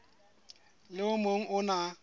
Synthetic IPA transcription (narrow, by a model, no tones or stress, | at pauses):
lɪʊmoŋ̩ʔʊna